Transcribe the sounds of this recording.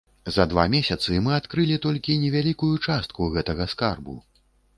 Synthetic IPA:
zɐd̪va̰mʲesʲɐt̪sɨmɨat̪kɾɨlʲit̪ɔlʲkʲinʲɛvʲalʲikujut͡ʂast̪̚kuɣɛt̪ɐɣɐskarbṵ

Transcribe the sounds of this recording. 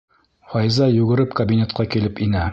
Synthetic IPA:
fɒjzɑjʉɡɘ̆ɾɘpkɐbʲinʲet̪̚qɑkilɘpinæ

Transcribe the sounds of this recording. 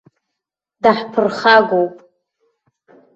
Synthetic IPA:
daħpʰɨrχaɡʷowpʼ

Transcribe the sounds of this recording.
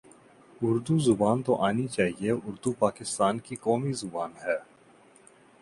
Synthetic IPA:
ʊɾd̪uzʊbaːnt̪oʔaːnit͡ʃaːɦieʔʊɾd̪upaːkɪst̪aːnkikɔːmizʊbaːnɦɛː

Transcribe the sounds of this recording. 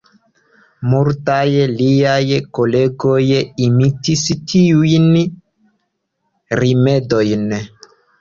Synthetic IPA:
muɾtajliajkoleɡojimitistʰiujn | ɾimedojn

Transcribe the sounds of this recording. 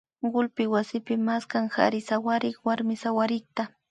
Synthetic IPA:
ɢʊlpɪwasɪpɪmaskaŋha̰ɾɪsawaɾɪkwaɾmɪsawaɾɪk̚t̪a

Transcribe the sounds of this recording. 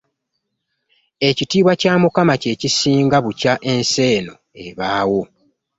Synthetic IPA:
e̞citiːβwacaːmukamace̞ːcisiːŋɡaβucaʔe̞nse̞ːno̞̰ | eβaːwo̞

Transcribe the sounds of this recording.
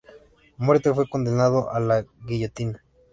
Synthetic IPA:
mweɾt̪efwekond̪enaðoʔalaɣiʝet̪ina

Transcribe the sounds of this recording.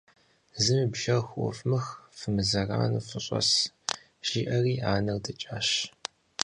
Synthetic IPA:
zɨmɨbʒɐrxʷʔʷɔ̰fʼmɨxfɨmɨzɐra̰ːnufɨɕʼɐ̰s | ʒ̥iːʔɐriːaːnɐrdɐt͡ʃʼaːɕ

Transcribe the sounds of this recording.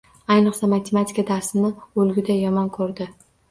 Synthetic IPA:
ajnɨqsamat̪ʰe̞mat̪ʰʲɪ̥kad̪aɾsɪnɪɵlɡʲɪd̪ajɒmɒnkʰɵɾd̪ɪ

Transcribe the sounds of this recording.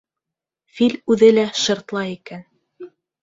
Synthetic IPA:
filʲʉðɘlæʃɤ̆ɾt̪lˠɑikæn

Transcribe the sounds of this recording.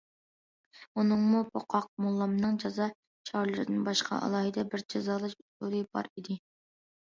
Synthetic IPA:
unɨŋmupʰoqʰɑq̚mulˠːɑmnɨŋd͡ʒɑzɑ | t͡ʃʰɑɾlˠɨɾɨ̰d̪ɪnbɑʃqʰɑ̰ʔɑ̰lˠɑːɦɨd̪ɛbɪɾd͡ʒɑzɑːlˠɨʃut̪olˠɨbɑ̰ɾid̪ɪ

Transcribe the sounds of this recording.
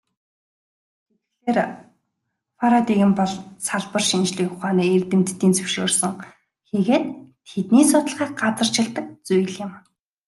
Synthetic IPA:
et̪̆̚ɬeːr | faɾat̪iɣɘ̆mpɔɮsaɮpə̆rʃint͡ɕɮiːkʊχaːniːert̪ɘ̆m̥t̪ːiːnt͡sɵwʃoːrsə̆ŋ | xeɣeːt̪ʰ | et̪niːsʊt̪ə̆ɮχiːk̚ɢat͡sə̆r̥t͡ɕʰɪ̆ɮt̪ə̆k̚t͡sujɮjɪ̆m

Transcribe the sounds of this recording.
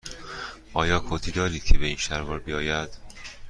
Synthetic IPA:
ʔɒːjɒːkʰoːt̪ʰiːd̪ɒːɾiːd̪̥̚cʰebeiːnʃæɾvɒːɾbijɒːjæd̪̥

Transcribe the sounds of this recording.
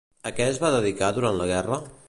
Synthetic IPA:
əkɛzβaðəðikaðuɾant̪ləɣɛrə

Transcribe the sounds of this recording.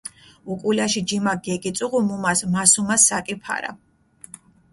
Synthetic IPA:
ukʼulaʃid͡ʒimaɡɛkʼit̪sʼuʁumumasmasumasakʼipʰa̰ɾa̰

